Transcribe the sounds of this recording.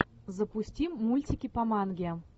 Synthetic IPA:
zəpusʲtʲimːulʲtʲikʲipamɑnɡʲe

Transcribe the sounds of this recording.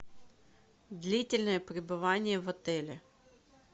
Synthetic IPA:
d̪lʲitʲɪlʲnəjəpɾʲɪbɨvanʲɪjəvɐt̪ɛlʲɪ

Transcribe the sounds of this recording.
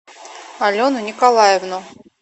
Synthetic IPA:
alʲonʊnʲɪkalˠajɛvnʊ

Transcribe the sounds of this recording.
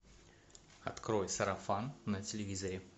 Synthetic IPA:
ɐ̰t̪kɾojsɐɾɐfanːɐtʲɪlʲɪvʲizɐɾʲɪ

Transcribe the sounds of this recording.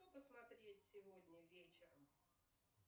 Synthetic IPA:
t̪opəsmɐt̪ɾʲetʲsʲɪvod̪ʲnʲəvʲet͡ɕɪɾəm

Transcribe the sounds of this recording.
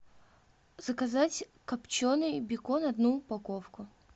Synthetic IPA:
z̥əkɐzatʲkɐpt͡ɕonɨjbʲɪkonɐd̪nuːpɐkofkʊ

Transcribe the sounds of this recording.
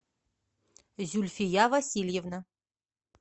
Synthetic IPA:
zulʲfʲijavɐsʲilʲjevna

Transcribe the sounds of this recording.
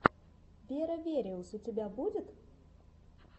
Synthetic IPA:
vʲeɾəvʲeɾʲeusut̪ʲebʲæbud̪ʲɪt̪

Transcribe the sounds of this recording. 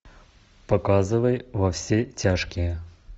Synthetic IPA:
pɐkazɨvəjvɐfsʲetʲaʂkʲɪjə

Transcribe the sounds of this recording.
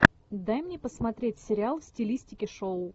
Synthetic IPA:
d̪ajmnʲepəsmɐt̪ɾʲetʲsʲɪɾʲɪalˠfsʲtʲɪlʲisʲtʲɪkʲɪʂoʊ

